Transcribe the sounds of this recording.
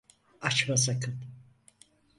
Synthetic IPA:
at͡ʃvas̬akʰɯn

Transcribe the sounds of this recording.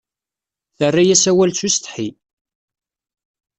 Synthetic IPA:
θərːajæsæwælt͡sːust̪ħi

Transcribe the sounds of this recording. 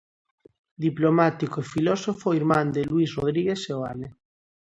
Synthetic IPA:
d̪iplomat̪ikoifilosofoiɾmãnd̪elwisroðɾiɣ̞esseoa̰le

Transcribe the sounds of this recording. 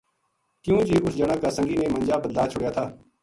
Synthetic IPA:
k̪ɪjũːd͡ʒiːʊsd͡ʒənakːaːsə̃ŋɡiːneːmənd͡ʒaːbːəd̪laːt͡ʃʰʊɽjaːt̪ʰaː

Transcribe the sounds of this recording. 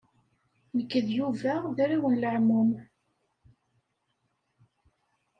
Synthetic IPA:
nəkːəðjuvæðæɾiwənləʕmum

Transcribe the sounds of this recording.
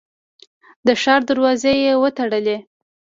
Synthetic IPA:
d̪əʃɑɾd̪aɾwɑzejewət̪aɽəle

